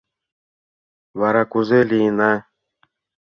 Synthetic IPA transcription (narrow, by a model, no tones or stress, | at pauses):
βaɾakuzelina